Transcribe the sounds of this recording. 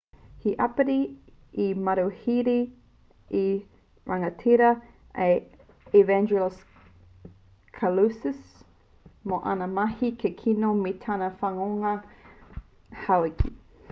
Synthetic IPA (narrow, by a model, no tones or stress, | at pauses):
hiʔɐpəɾi | imɐɾuhiɾi | i | ɹɐŋɐtʰiɾɐ | e | ivɛnd͡ʒuls | kʰalusəs | moʔɐ̰nɐmɐhikʰekʰinometʰanɐfɐŋoŋɐ | hawikʰi